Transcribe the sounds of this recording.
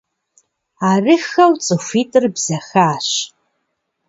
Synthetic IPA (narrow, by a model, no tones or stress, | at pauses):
arɨxɐwt͡sʼɨfʷitʼɨrbzɐxaːʃ